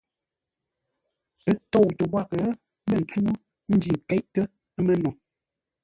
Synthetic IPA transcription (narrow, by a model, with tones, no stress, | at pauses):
ə˦to˦˨wtə˨bwa˦˨kə˨˦ | lə˦˨n̩˨t͡su˦ | n̩˦d͡ʒi˨ŋ˨kɛ˦ʔkə˦ | ə˦mə˦nɔ˨